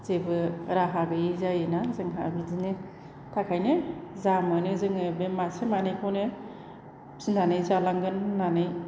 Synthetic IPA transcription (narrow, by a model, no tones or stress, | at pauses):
z̥ebɯɾaɦabɯizajenazɯŋɦabidine | tʰakʰajnezamɯnezɯŋɯbemasemanejkʰɔne | sinanɯjzalaŋɡɯnːanɯj